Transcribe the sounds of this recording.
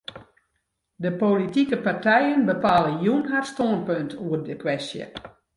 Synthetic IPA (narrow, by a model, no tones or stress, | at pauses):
dəpolitikəpartɛjənbəpaːləjunɦarstoənpøntʰuərdəkwɛstjə̰